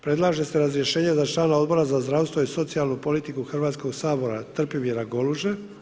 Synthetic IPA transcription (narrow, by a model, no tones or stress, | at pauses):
pɾe̞d̪lˠaːʒe̞se̞ɾazɾjeʃe̞ːɲe̞zat͡ʃlˠaːnao̞d̪bo̞ɾazazd̪ɾaːst̪o̞iso̞t̪sijalˠnupo̞lit̪ikuxrʋaːt̪sko̞ɡsaːbo̞ɾat̪r̩pimiɾaɡo̞luʒe